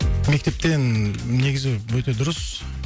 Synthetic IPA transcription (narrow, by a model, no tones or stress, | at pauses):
me̞k̚ʲt̪e̞p̚t̪e̞nne̞ɡʲɪzɪwɵt̪e̞d̪ʊɾəs